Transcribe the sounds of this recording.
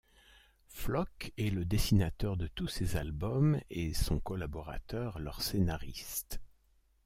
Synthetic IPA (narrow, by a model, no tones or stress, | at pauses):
flɔkɛləd̪esinat̪œʁd̪ət̪usezalbɔmesɔ̃kɔlabɔʁa̰t̪œʁlœʁsenaʁist̪